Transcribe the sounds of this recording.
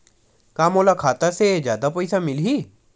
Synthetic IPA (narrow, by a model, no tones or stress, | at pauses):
kaːmoːlakʰaːt̪ased͡ʒjaːd̪apɐjsamɪlɦiː